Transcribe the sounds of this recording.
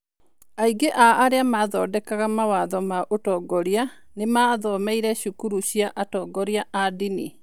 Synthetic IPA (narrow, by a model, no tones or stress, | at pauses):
aiɡeʔaʔːɾeamaðɔdɛkaɣamawaðɔmaʔotɔːɡɔɾianemaðɔmɛiɾɛɕukuɾuɕiaʔatɔɡɔɾiaʔadinḭ